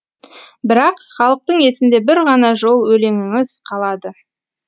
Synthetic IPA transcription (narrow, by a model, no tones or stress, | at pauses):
bɪɾɑqχɑlˠəq̚t̪əɴe̞sɪnd̪e̞bɪɾʁɑnɑʒo̞lˠwɵle̞ŋɪŋɪzqʰɑlˠɑd̪ə